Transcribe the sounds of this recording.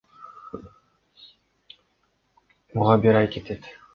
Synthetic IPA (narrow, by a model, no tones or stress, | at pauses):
muʁɑbiɾɑjket̪ʰet̪